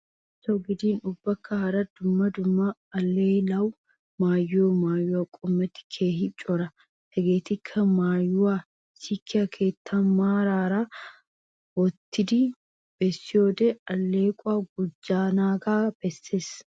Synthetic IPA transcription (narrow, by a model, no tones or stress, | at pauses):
sɔɡɪd̪iːnʊbːɐkːɐhɐɾɐd̪ʊmːɐd̪ʊmːaɐlːeːlɐw | maːjːoːmaːjːʊwakʼʊmːɛt̪ːɪ̥kʰeːɦɪt͡ʃʼːɔɾɐ | hɛɡeːt̪ɪkʰːɐmaːjːʊwa | sɪkʰːɪɐkʰe̞ːt̪ʰːɐmːaːɾaːɾaː | wɔt̪ːɪd̪ɪ | b̥ɛsːɪjoːd̪ɛɐlːeːkʼʊaːɡʊd͡ʒːaːnaːɡaːb̥ɛsːeːs